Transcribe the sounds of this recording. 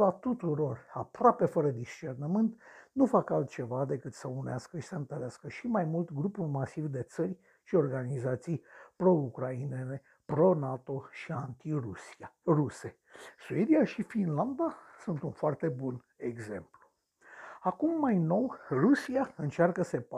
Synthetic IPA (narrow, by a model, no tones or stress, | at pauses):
vat̪ut̪uɾo̞rapɾoape̞fəɾəd̪ist͡ʃe̞rnəmɨnt̪nufakalt̪̚t͡ʃe̞vad̪e̞kɨt̪səuneaskəʃi̥səɨnt̪əɾeaskəʃimajmult̪ɡɾupurʲmasivd̪e̞t̪sərʲ | ʃio̞rɡanizat̪sijpɾo̞ukɾaine̞ne̞ | pɾo̞nat̪o̞ʃiant̪i | ruse̞ | sue̞d̪iaʃifinland̪asunt̪unfoart̪e̞bun | e̞ɡze̞̰mplu̥ | akumːajno̞wrusiaɨnt͡ʃarkəsep